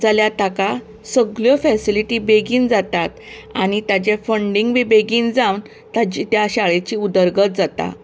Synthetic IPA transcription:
d͡zaljat̪aka | səɡɭjɔfɛsiliʈibeɡiːnd͡zat̪at̪ | añit̪jat͡ɕefəɳɖiŋɡʋibeɡiːnd͡zawn | t̪at͡ɕit̪jaɕaɭet͡ɕiːud̪əɾɡət̪̚d͡zat̪a̰

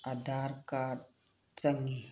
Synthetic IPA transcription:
ad̪aɾkaɾ | t͡səŋi

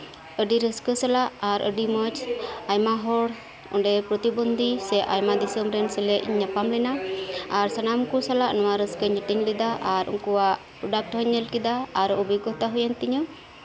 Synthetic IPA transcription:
əɖiɾəskəsalaʔaɾə̰ɖimət͡ʃajmaɦɔɽ | ɔ̰ɳɖɛpɾɔt̪ibɔnd̪ʱisɛʔajmad̪isəmɾɛnsɛlɛʔɲɲapamlɛnaaɾsanamkusalaʔnɔwaɾəskəɲəʈiɲlɛd̪aʔaɾṵŋkuwaʔ | pɾɔɖak̚ʈɦɔɲːəlkid̪aːɾɔʔɔbiɡɔt̪aɦujant̪iɲɔ

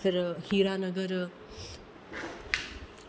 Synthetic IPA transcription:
ɐɾhiɾanʌɡəɾ

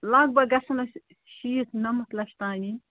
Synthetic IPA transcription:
lɐɡ̚bɐɡɐsɐmɐsʲ | ʃiːt̪nɐmɐt̪lɐʃt̪aːnʲi

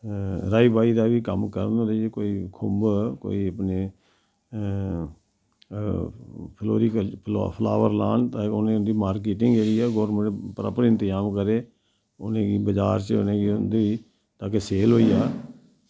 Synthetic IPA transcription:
ɾaːiːbaːiːd̪aːʋiːkəmkəɾnːɾekoːiːkʰʊmbko̰ːiːəpneː | pʰlo̰ːɾiːkpʰl̰pʰla̰ːʋəɾla̰ːnt̪ãːʊnẽːʊnd̪iːmaːɾkeːʈɪŋɡeɡiːaːɡoːɾmə̃ɳʈpəɾa̰ːpɾiɪnt̪ɪjaːmkəɾeː | ʊnẽːɡiːbəd͡ʒaːɾt͡ʃʊ̰nẽːɡiːʊnd̪iiː | t̪ãːkeseːlɦoːiːjaː

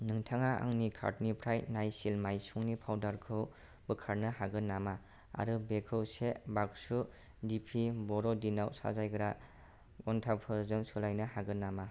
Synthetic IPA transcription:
nɯŋtʰaŋaa̰ŋnikʰa̰ɾtnipʰɾajnajsilmajsuŋnipʰawdaɾkʰɯw | bɯkʰaɾnɯhaɡɯnama | a̰ɾɯbekʰɯwsebak̚su | dipʰibɔɾɔdinawsa̰zajɡɾa | ɡɔntʰapʰɯzɯŋsɯlajnɯhaɡɯnːama

